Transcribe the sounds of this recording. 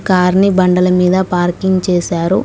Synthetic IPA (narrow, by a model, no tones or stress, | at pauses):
kaːɾnibɐɳɖɐlɐmiːd̪ɐpaːɾkiŋɡt͡ʃeːsaːɾu